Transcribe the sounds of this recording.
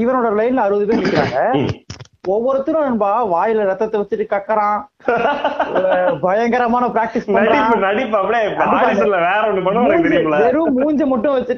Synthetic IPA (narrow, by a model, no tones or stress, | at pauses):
ɪʋɐnoːɽɐlɐjnlɐɾɯðɯmeːɪlɪkːɪɾa̰ːŋɡɐ | ɔʋːɔɾɯt̪ːɯnʊ̃ɐnbaːʋaːjɪlɐɾɐt̪ːɐt̪ːɐʋɐt͡ʃːɯʈːɯkɐkːɐɾãː | ɔɾɯbɐjɐŋɡɐɾɐmaːnɐpɪɾaːk̚ʈɪsɐɐɾɽɪ̃ːɯnɐɽɪpːɯɐpːɐɽeːpɐːɪɐlɐʋeːɾɐɔnːɯpɐnːmɪd͡ʒlɐʋ̪ɛɾɯmuːɲd͡ʒɯmɐʈːʊ̃ʋɐt͡ʃːɯʈː